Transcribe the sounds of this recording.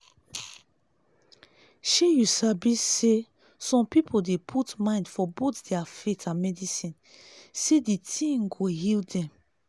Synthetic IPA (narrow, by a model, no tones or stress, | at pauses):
ʃejusabisːe | sɔ̃mpipʰodepʰutmãɪ̃ndfɔbotdɛafetʰãnmɛdisĩn | seditʰĩŋɡoɦildɛ̃m